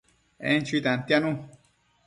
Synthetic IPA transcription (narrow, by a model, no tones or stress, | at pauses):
ḛnt͡ʃuit̪ant̪janũ